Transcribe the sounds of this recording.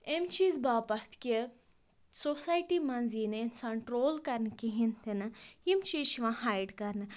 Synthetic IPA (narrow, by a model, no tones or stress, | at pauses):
emt͡ʃiːzbaːpɐt̪ʰkʲe | sosaːjʈimɐnziːnensɐɳʈɾoːlkɐɾnɨkiɦĩnt̪ʰinɨimt͡ʃiːʃiʋãhaːjɖkɐɾnɨ